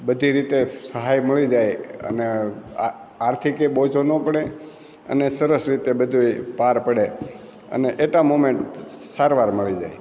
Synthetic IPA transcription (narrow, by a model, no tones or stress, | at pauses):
bəd̪ʱiɾit̪esəɦajməɭid͡ʒajə̰ne | aɾt̪ʰikebod͡ʒonopəɽe | ə̰nesəɾəsɾit̪ebəd̪ʱuipaɾpəɽe | ə̰neʔeʈamomẽɳʈsaɾʋaɾməɭid͡ʒa̰j